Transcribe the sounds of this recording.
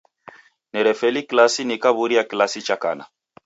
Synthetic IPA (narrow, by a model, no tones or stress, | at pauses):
nɛɾɛfɛliklasinikaβuɾiaklasit͡ʃaka̰na̰